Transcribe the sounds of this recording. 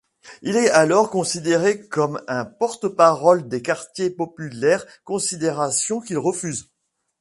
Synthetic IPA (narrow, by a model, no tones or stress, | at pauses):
ilɛalɔʁkɔ̃sid̪eʁekɔmɛ̃pɔʁt̪əpaʁɔld̪ekaʁt̪jepɔpylɛʁ | kɔ̃sid̪eʁasjɔ̃kilʁəfyz